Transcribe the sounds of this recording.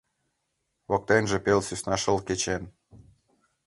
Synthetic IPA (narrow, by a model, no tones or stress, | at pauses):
βok̚t̪enʒĕpelsysnɑʃəlket͡ɕen